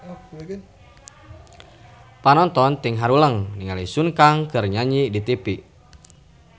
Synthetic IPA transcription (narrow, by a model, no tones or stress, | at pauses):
panɔnt̪ɔnt̪iŋɦaɾuləŋniŋalisunkaŋkərɲaɲidit̪ipi